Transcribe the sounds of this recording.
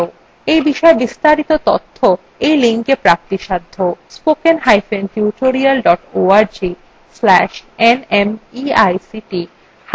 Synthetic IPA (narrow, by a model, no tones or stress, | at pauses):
ejbiʃɔebist̪aɾit̪ot̪ot̪ʰːo | ejliŋkepɾap̚t̪iʃad̪ʱːospokenɦajfenʈjuʈoɾialɖɔʈoaɾd͡ʑi | slɛʃenemiajsiʈi | h